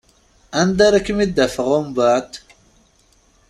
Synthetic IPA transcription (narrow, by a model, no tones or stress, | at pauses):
ɐnd̪aɾɐkimid̪ɐfɐʁombat̪